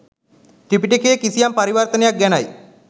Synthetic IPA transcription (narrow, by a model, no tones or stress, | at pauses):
ʈɾipiʈikʰekisijampəɾiʋəɾt̪ənjak̚ɡɛñaj